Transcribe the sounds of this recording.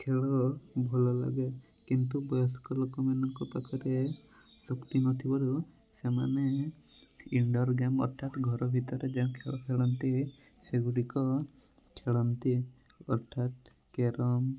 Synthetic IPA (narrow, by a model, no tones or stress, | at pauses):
kʰeɭɔbʱɔlɔla̰ɡe | kint̪ubɔjɔskɔlokɔmanɔŋkɔpakɔɾe | sɔkt̪inɔt̪ʰibɔɾu | sema̰ne | iɳɖɔɾɡamɔ̰ɾt̪ʰat̪ɡʱɔɾɔbʱit̪ɔɾed͡ʒẽkʰeɭɔkʰeɭɔnt̪i | seɡuɽikɔ | kʰeɭɔnt̪i | ɔɾt̪ʰat̪ | keɾɔm